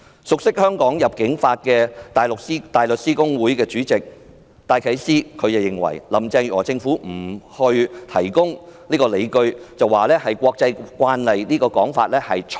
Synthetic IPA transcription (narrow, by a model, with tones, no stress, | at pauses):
sʊ˨k̚sɪ˥k̚hœː˥ŋkɔː˨˥ŋjɐ˨p̚kɪ˨˥ŋfaː˧t̚kɛː˧t̪aː˨˩lʊ˨k̚i˥t̪aː˨jlɵ˨t̚siː˥kʊ˥ŋwuː˨˥jkɛː˧t͡ʃyː˨˥t͡sɪ˨k̚ | t̪aː˧jkʰɐ˨˥jsiː˥kʰɵ˨˧ɥt͡sɐ˨˩jɪ˨˩ŋwɐ̰˨˩jlɐ˨mt͡sɛː˧ŋɔː˨˩t͡sɪ˧ŋfuː˨˥m̩˨˩hɵ˧ɥt̪ʰɐ˨˩jkʊ˥ŋniː˥kɔː˧le˨˧jkɵ˧ɥt͡sɐ˨wːaː˨lɛː˥hɐ˨jkʷɔː˧k̚t͡sɐ˧jkwaː˧˥nlɐ˨jniː˥kɔː˧kɔː˨˥ŋfa̰ː˧t̚lɛː˥hɐ˨jt͡ʃʰ